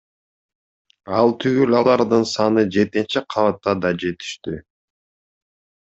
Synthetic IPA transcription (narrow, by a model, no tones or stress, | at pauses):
ɑlˠt̪ʰyɡylɑlˠɑɾd̪ɯnsɑnɯd͡ʒe̞t̪et͡ʃeqʰɑvɑt̪ːɑd̪ɑd͡ʒe̞t̪i̥ʃt̪y